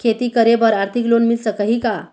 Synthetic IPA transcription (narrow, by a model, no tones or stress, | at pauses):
kʰet̪iːkəɾebəɾaɾt̪ʰiklonmilt͡səkəɦika